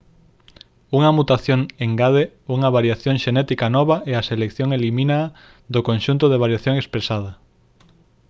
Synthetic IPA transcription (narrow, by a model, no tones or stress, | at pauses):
uŋɐmut̪aθjoŋeŋɡaðe | uŋɐβaɾjaθjoŋʃenɛt̪ikanɔβ̞aʔeaselekθjoŋelimĩna | ðokonʃunt̪ʊðeβ̞aɾjaθjoŋespɾesað̞ɐ